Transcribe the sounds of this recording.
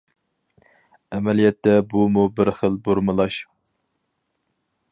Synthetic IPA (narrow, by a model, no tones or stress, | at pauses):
ɛmɛlijɛt̪ːɛbumubɪɾχəlˠboɾmɨlˠɑʃ